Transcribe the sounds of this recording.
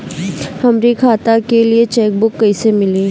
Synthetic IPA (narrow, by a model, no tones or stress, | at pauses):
hɐmɾikʰaːt̪akeliet͡ʃɛːk̚bʊkːɐisemɪleː